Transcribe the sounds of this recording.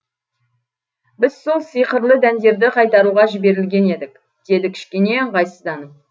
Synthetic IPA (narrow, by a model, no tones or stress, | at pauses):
bɪz̥so̞lˠsijqəɾlˠəd̪ænd̪e̞ɾd̪ɪqʰɑjt̪ɑɾuʁɑʒɪbe̞ɾɪlɡʲe̞ne̞d̪ɪk | d̪̥e̞d̪ɪkʲʰɪ̥ʃkʲe̞ne̞ɴqɑjsəzd̪ɑnəm